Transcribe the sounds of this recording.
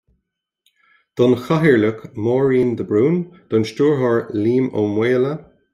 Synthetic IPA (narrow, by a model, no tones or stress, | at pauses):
d̪̥ɔnxaɦiɹləkmɔːɹiːnd̪əbɹuːnd̪̥ɔnʃtuːɹɦɔɹliːmo̰mweːlə